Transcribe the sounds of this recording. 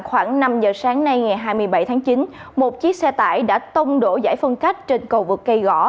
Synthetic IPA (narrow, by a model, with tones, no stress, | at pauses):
xwaː˧˩ŋna˧mzəː˨˩saː˨˦ŋna˧jŋa˨˩jɦaː˧jmɨ˧əjɓa˧˩jt̪ʰaː˨˦ŋt͡ɕi˨˦n | mo˨˩t̚t͡ɕi˦˥ək̚sɛ˧t̪a̰ː˧˩jɗa̰ː˧˥t̪ə˧wŋ͡mɗo̰˧˩za̰ː˧˥˩jfə˧nka˦˥jk̟̚t͡ɕe˧nkə˧wvɨ˨˩kːə˧jɣɔ̰˧˩